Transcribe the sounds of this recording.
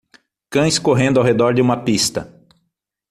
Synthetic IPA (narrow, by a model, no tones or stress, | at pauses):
kɐ̃j̃skoɦẽnd̪ʊawɦed̪ɔɾd͡ʒɪũmɐpist̪ɐ̰